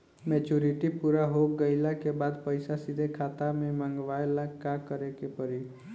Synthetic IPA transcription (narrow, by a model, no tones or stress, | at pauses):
mɛt͡ʃuɾiʈipuɾaɦokɡəɪlakebad̪pəjsasid̪ʱekʰat̪amemãŋɡʋaelakakəɾekepəɾi